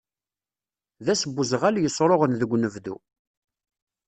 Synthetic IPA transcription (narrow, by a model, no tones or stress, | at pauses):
ðæsəbːuzʁæljəsˤːɾˤoʁənðəɡʷːnəvdṵ